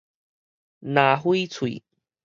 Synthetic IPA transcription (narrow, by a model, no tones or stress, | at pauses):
naɦujt͡sʰuḭ